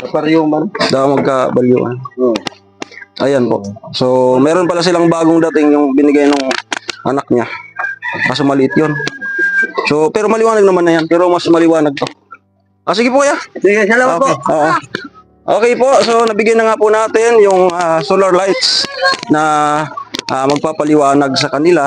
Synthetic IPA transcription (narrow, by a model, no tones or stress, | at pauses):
ɐpɐɾjʊŋbɐnd̪aʔoŋmɐɡ̚kɐbɐljṵʔɐ̰n | ʔɐjanpo̞̰ʔso̞mɛːɾo̞npɐlas̬ɪlaŋbaːɡoŋd̪ɐt̪ɪŋjʊŋbɪnɪɡajnoŋʔɐ̰nak̚ɲa | kas̬omɐlɪʔɪt̪̚jon | so̞pɛːɾo̞mɐlɪwaːnɐɡ̚nɐmanːɐjanpɛːɾomɐsmɐlɪwaːnɐɡ̚t̪o̞ | ʔas̬ɪɡɪpokɐjasiɡoopoːʔo | ʔoːkɛjpo̞ʔsonɐbɪɡjajnɐŋapʊnaːt̪ɪnjʊŋasolɐɾlajt̪snɐ | ʔamɐɡ̚papɐlɪwaːnɐɡ̚sɐkɐnɪla